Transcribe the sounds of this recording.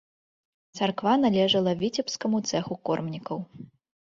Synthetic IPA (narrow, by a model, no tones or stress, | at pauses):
t̪sarkvanalʲɛʐɐlˠɐvʲit͡sʲɛpskɐmut̪sɛxukɔrmnʲikɐw